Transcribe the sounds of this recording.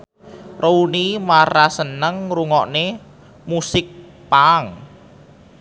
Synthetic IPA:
rʔounimaɾasənəŋruŋɔʔne | musɪk̚ | paŋ

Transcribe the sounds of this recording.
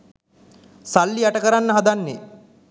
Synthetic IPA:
salːiaʈəkəɾanːəɦad̪anːe

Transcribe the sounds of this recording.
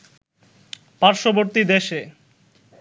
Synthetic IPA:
paɾʃoboɾt̪id̪eʃe

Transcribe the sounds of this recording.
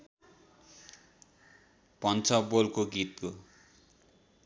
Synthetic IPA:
pʌnt͡sʰʌbolkoɡit̪̚ko

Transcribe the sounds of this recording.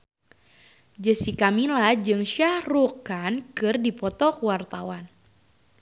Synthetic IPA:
d͡ʒəsikamilahd͡ʒɨŋʃahrukankɨrdipɔt̪ɔkəwart̪awan

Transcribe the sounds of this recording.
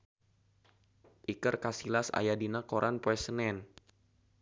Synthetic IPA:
ʔikərkasilasa̰jadinakoɾʔanpoɛsənɛn

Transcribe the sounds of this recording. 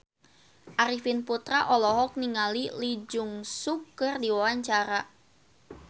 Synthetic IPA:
ʔaɾifinput̪ɾaʔɔlɔɦɔk̚niŋalilid͡ʒʊŋsukːərdiwawaɲt͡ʃaɾa

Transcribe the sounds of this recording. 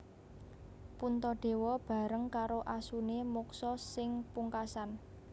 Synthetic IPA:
punt̪ɔɖ̥e̤wɔb̥ä̤ɾəŋkaɾoʔasunemuksɔsɪŋpuŋkasan

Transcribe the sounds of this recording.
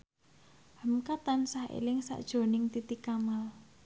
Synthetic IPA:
həmkat̪ansahḛlɪŋsa̰ʔd̥ʒ̥o̤nɪŋt̪it̪ikamal

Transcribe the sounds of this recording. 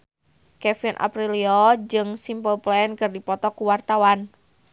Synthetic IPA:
kɛfinʔa̰pɾiliɔd͡ʒɨŋsimpəlplɛnkɨrdipɔt̪ɔkuwart̪awan

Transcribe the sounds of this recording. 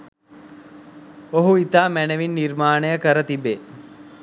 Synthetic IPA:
oɦuit̪aːmænəʋinːiɾmaːnəjəkəɾət̪ibe

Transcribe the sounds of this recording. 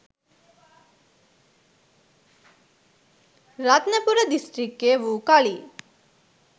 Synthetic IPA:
ɾat̪nɐpuɾəd̪isʈɾikːeʋukɐɭi

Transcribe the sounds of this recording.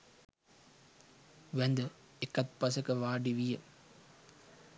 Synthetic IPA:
ʋænd̪ə | ekːɐt̪̚pɐsəkəʋaːɖiʋijə

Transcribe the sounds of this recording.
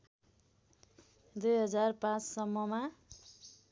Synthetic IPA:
d̪ujɦʌd͡zarpãt͡ssʌmːʌma

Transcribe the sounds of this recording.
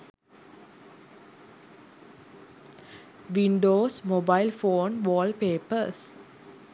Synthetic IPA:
ʋiɳɖoːsmobaɪlfoːnʋɔːlpeːpəs

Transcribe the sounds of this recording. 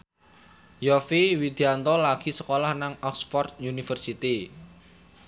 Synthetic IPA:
jɔfiwid̪̥iant̪ɔlaɡ̥i̤səkolahnaŋɔksfɔrt̪̚junifərsit̪i

